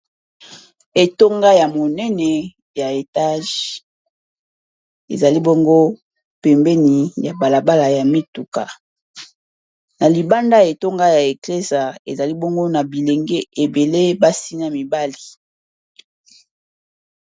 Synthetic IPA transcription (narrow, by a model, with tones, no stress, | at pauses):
e˨to˦ŋɡa˦ja˨mo˨nɛ˦nɛ˨ | ja˨e˨ta˦ʒ | ḛ˨za˨li˦bo˦ŋɡo˦ | pɛ˨mbɛ˦ni˨ja˨ba˨la˨ba˦la˨ja˨mi˦tu˨ka˨ | na˨li˨ba˦nda˦e˨to˦ŋɡa˦ja˨e˨kle˦za˨ḛ˨za˨li˦bo˦ŋɡo˦na˨bi˨le˨ŋɡe˦e˨be˨le˦ba˦si˦na˦mi˨ba˦li˨